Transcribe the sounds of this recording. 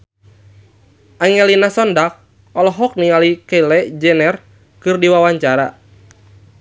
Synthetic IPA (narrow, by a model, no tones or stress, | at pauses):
ʔaŋɛlinasɔndak̚ | ɔlɔɦɔk̚nialikɛlɛd͡ʒɛnɛr | kɨrdiwawaɲt͡ʃaɾa̰